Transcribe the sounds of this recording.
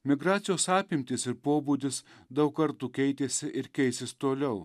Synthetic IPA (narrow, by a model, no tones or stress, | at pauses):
mʲɪɡɾɑːt̪sʲɪjoːsɑːpʲɪmʲt̪ʲɪsɪɾpoːbuːd̪ʲɪsd̪ɐʊkkɐɾt̪uːkʲɛɪt̪ʲeːsʲɪʔɪɾkʲɛɪsʲɪst̪oːlʲɛʊ